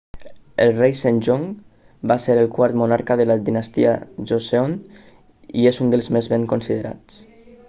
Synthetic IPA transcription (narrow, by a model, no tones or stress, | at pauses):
əlˠrejsanʲʒoŋ | baseɾəlˠkwaɾt̪munaɾkəðəlad̪inəst̪ia̰ʒoseon | iezund̪əlˠzmezβeŋkonsiðəɾa̰t͡s